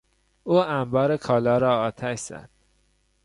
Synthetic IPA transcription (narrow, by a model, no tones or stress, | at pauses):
uːæmbɒːɾekʰɒːlɒːɾɒːɒːt̪ʰæʃz̥æ̰d̪̥̚